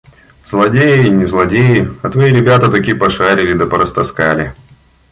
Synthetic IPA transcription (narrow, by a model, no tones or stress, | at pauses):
zlˠɐdʲejɪinʲɪzlˠɐdʲejɪɐt̪vɐiɾʲɪbʲat̪ət̪ɐkʲijpɐʂaɾʲɪlʲɪd̪əpəɾəst̪ɐskalʲɪ